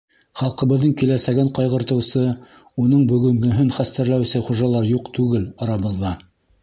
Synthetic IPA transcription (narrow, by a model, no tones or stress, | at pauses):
χɑlˠqɤ̆βɤ̆ðːɤɴkilæsæɡɘɴqɑjʁɤ̆ɾt̪ɤ̆wsɤ | unɤɴbɵ̆ɡɵ̆ŋɡɵ̆ɦɘnχæst̪æɾlæwsɘχuʒɑlˠɑɾjuqt̪ʉɡɘlɑɾɑβɤ̆ðːɑ